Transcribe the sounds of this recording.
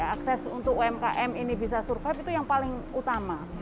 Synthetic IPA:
aaksɛsunt̪ʊk̚uɛmkaʔɛminibisasurfapit̪ujaŋpalɪŋut̪ama

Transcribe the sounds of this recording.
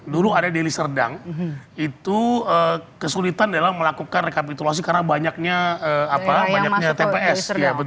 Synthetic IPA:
duluadadelisərda̰ŋit̪uəːkəsulit̪andalaməlakukanrekapit̪ulas̬ikarnabaɲak̚ɲaəapabaɲak̚ɲat̪epeʔɛsjabə

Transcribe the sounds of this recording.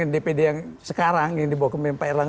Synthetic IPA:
andepedejaŋsəkaɾaŋjaŋdibawakəmɛmpairlaŋ

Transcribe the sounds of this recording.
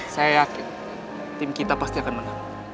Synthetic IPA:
sajajakɪn | t̪ɪmkit̪apast̪iakanmənaŋ

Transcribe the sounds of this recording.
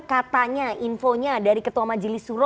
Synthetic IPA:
kat̪aɲainfoɲadaɾikət̪uamad͡ʒəlɪsuɾɔ

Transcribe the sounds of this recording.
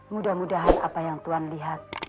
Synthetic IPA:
mudahmudaɦana̰pajaŋt̪uanliɦat̪̚

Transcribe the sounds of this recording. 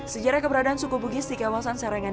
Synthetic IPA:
səd͡ʒaɾakəbəɾadaːnsukubuɡɪsdikawasansaɾaŋan

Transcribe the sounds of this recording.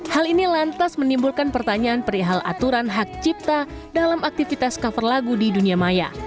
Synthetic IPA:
halinilant̪asmənimbulkanpərt̪aɲaːnpəɾiɦalʔa̰t̪uɾanɦak̚t͡ʃip̚t̪a | dalamak̚t̪ifit̪askafərlaɡudiduniamaja̰

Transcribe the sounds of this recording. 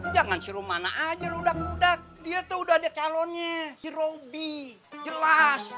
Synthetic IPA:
d͡ʒaŋansiɾumana̰ʔːd͡ʒaludak̚ludak̚diat̪uudahdakalɔnɲasiɾobi | d͡ʒəlas

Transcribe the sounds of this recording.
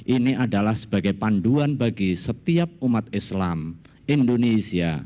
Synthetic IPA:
ʔiniʔadalahsə̥b̥aɡajpanɖuanbaɡisət̪iap̚umat̪̚ɪslam | ʔindonesia̰

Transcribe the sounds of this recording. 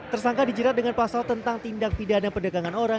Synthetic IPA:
t̪ərsaŋkadid͡ʒəɾat̪̚dəŋanpasalt̪ənt̪aŋt̪indak̚pidanapərdaɡaŋanoɾa

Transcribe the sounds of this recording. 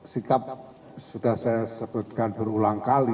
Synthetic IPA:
sikap̚ | sud̪̥ahsajasəb̥ut̪̚kanb̥əɾulaŋkali

